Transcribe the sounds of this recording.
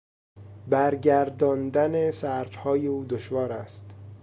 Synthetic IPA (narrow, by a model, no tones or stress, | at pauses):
bæɾɟæɾd̪ɒːnd̪ænesæɾd̪hɒːjeuːd̪oʃvɒːɾæst̪